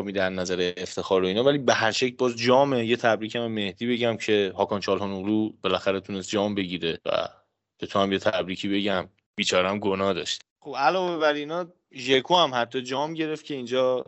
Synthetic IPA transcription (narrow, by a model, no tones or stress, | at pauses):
miːd̪æɾnæzæɾeːft̪ʰe̞xɒːɾoiːnɒːvælibe̞ɦæɾʃecʰlbɒːzd͡ʒɒːme̞je̞t̪ʰæbɾiːcʰæmeme̞hd̪iːbe̞ɟæmcʰe̞hɒːkʰɒːnt͡ʃʰɒːlɦɒnoʁlub̥e̞læxæɾet̪ʰunest̪̚d͡ʒɒːmbe̞ɟiːɾevæ̰ | b̥et̪ʰoæmje̞t̪ʰæbɾiːcʰiːbe̞ɟæm | biːt͡ʃʰɒːɾeæmɡonɒːd̪ɒ̰ːʃt̪ | xobælɒːve̞βæɾinɒː | ʒekʰohæmhæt̪ʰːɒd͡ʒɒːmɟe̞ɾe̞ft̪̚cʰe̞ind͡ʒɒː